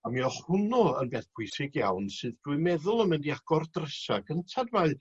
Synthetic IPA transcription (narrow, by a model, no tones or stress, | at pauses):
amiɔχhʊnɔə̰nbɛθpʰʊjsɪɡja̰wnsɨðdwʊɨmɛðʊlˠəmɨndiaɡ̥ɔrdrəsaɡəntʰadmaɨ